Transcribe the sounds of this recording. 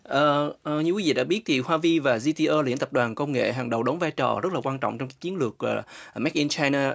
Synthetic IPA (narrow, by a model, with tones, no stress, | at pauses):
ʔəː˨˩ʔɲɨ˧kwi˨˦vḭ˧˨ɗa̰ː˧˥ɓi˦˥ət̚t̪ʰi˨˩hwaː˧vi˧vaː˨˩zi˧t̪i˧ʔəː˧li˧˩˥ənt̪ə˨˩p̚ɗwaː˨˩nkə˧wŋ͡mŋḛ˧˨ɦa˨˩ŋɗə˨˩wɗə˨˦wŋ͡mvaː˧jt͡ɕɔ̰ː˨˩zə˦˥t̚laː˨˩kwaː˧nt͡ɕɔ̰˧˨wŋ͡mt͡ɕɔ˧wŋ͡mkaː˦˥kt͡ɕi˨˦ənlɨ˨˩ək̚ə˨˩mɛ˦˥k̚ʔɛ˧nt͡ɕaː˧jnaː˧